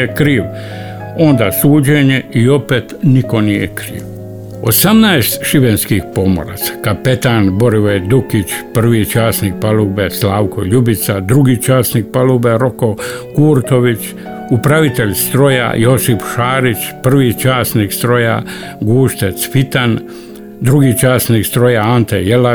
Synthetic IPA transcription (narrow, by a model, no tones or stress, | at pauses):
ekɾiːʋ | o̞nd̪aːsuːd͡ʑeɲe̞io̞pe̞ːt̪niko̞nijḛkɾḭːʋ | o̞̰samnaest̪ʃiʋenskiːxpo̞mo̰ɾa̰t̪sḁkape̞t̪aːnbo̞ɾiʋed̪ukit͡ʃpr̩ʋiːt͡ʃaːsnik̚palubeslaːʋkoʎubit̪sad̪ɾuɡiːt͡ʃaːsnik̚palubeɾokokuːɾt̪o̞ʋit͡ʃ | upɾaʋit̪eʎst̪ɾo̞ja̰josifʃaːɾit͡ʃpr̩ʋiːt͡ʃaːsnikst̪ɾo̞ja̰ | ɡuːʃt̪et̪sfit̪an | d̪ɾuɡiːt͡ʃaːsnikst̪ɾojaant̪ejela